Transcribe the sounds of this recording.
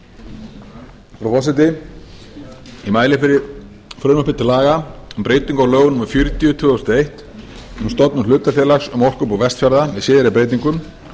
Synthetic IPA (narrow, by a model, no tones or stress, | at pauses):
fɾawfɔsɪt̪̬ɪ | imaːjlɪfɾɪ | fɾœːnmɔhpɪɾ̥t̪ʰɪlaːɣaʏmpɾeːjt̪iŋkawlœːɣʏnuːmaɾfjʏɾt̪ijʏt̪ʰvʏːðʏst̪ejht̪ | ʏmst̪ɔt̪nʏmlʏːt̪afjɛlaxsʏmɔr̥kʏpawvɛst̪fjaɾðavɪðsɪːðɪɾɪpɾeːjt̪iŋkʏm